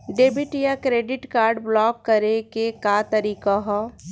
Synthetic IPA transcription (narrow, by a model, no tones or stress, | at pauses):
ɖeːbɪʈjakɾeːɖɪʈkaːɾɖblɔːkːəɾekekaːt̪ɐɾiːkaɦɔː